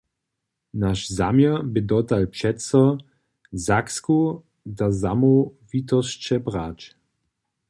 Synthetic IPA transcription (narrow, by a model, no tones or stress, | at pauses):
naʃzamjɛbɪd̪ɔd̪alpʂɛt̪sɔ | zaksku | d̪azamɔvit̪ɔst͡ʃɛbʁaːt͡ʃ